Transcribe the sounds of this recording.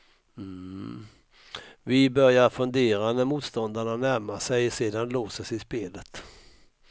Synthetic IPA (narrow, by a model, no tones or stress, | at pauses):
m̩ | vɪbœɾjaɾfɵnd̪eːɾanæɾmuːt̪st̪ɔnd̪aɳanæɾmasɛjseːd̪anloːsəsɪspeːlət̪